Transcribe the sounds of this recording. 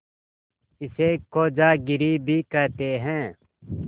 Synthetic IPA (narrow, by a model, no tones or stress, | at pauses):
ɪseːkːoːd͡ʒaːɡɪɾiːbʱiːkəːt̪eːɦɛ̃ː